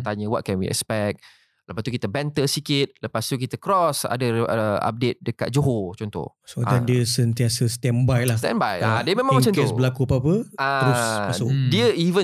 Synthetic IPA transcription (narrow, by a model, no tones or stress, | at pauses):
t̪aɲəwɔ̰t̪̚kɛnwḭɛ̰kspɛk̚t̪̚ | ləpast̪ukit̪əbɛnt̪əsikɪt̪̚ləpast̪ukit̪əkɾɔsa̰dəa̰p̚det̪̚dəka̰t̪̚d͡ʒoɦot͡ʃɔnt̪ɔ̰h | soandiəsənt̪iasəst̪ɛmbajlast̪ɛ̰̃nbajadiəmẽmãŋwəsənk̪usbəlakuapapəaəɾsodiəivə